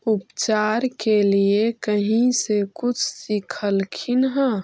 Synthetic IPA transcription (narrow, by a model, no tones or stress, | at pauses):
ʊpt͡ʃaːɾkeliekəɦĩsekʊt͡ʃʰsikʰəlkʰɪnɦə̃